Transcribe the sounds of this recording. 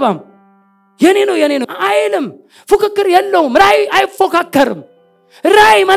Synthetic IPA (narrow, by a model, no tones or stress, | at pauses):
bam | jɛnenowjɐnenoajɪnɨm | fukakːɐɾjɛlːɐhumɾajajfokakːɐɾɨ̰m | ɾajmɐ